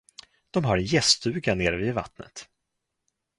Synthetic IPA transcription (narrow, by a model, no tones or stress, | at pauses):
d̪̥ɔmɦaɾɛnjɛst̪ʉ̟ːɡaneːɾviːd̪va̰t̪nə̰t̪